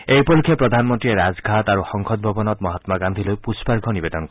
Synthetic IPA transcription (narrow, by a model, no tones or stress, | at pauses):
ejpɔlukʰepɾɔd̪ʱanmɔnt̪ɾieɾazɡʱat̪aɾuxɔŋkʰɔt̪̚bʱɔbɔnɔt̪mɔɦat̪maɡand̪ʱilojpusbaɾɡʰʱɔnibed̪ɔnk